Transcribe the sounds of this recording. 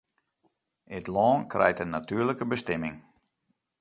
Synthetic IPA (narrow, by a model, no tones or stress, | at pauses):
ɪtlɔːnkrʔɛ̰jtənatyːləkəbəstɛmɪŋ